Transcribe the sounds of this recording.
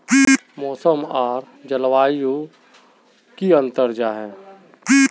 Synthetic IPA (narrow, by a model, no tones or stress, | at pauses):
mɔːsəmaːɾ | d͡ʒəlwaːijõ | kiə̃nt̪əɾd͡ʒaɦɛː